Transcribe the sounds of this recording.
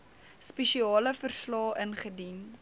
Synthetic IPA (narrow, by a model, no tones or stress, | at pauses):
spɛʃiɑːləfərslɑːʔənχədin